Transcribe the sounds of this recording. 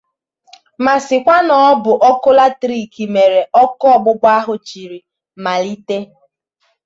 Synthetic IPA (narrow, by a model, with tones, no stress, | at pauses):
ma˨sɪ˨kʷa˦nɔ˨˦bʊ˨ʔɔ˦kʊ˦la˦tɾi˦˨ki˨me˨ɾe˨ʔɔ˦kɔ˦ɔ˨ɡ͡bʊ˦ɡ͡ba˦ɦʊ˨t͡ʃi˨ɾi˨ | ma˨li˦te˦